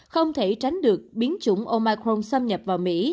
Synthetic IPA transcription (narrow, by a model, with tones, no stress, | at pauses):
xə˧wŋ͡mt̪ʰe˧˩t͡ɕa˨˦jŋ̟ɗɨ˨˩ək̚ɓi˨˦ənt͡ɕʊ̰˧˩ŋ͡mʔo˧maː˧kɾo˧msə˧mɲə˨˩p̚vaː˨˩wmḭ˧˥